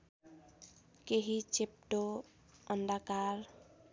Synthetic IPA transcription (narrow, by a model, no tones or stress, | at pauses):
keɦit͡ʃep̚ʈo | ənd̪akaɾ